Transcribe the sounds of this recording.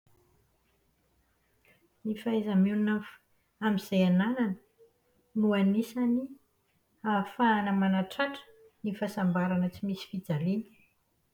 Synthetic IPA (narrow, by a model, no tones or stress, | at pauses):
nifaezamuninaf | amiz̥ajanananə̥ | nuanisani | afaːnəmanaʈ͡ʂaʈ͡ʂə̥ | nifasambaɾanət͡simisi̥fid͡zalini̥